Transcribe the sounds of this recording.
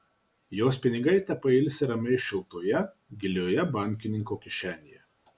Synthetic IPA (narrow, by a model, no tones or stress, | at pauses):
joːspʲɪnʲɪɡɐɪt̪ʲɐpɐɪlʲsʲɪɾɐmʲɛɪʃʲɪlˠt̪oːjɛ | ɡʲɪlʲoːjɛbɑˑŋʲkʲɪnʲɪŋkoːkʲɪʃʲæːnʲɪjɛ